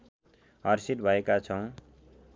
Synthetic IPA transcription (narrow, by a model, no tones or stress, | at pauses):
ʌrsiʈbʱʌekat͡sʰʌw̃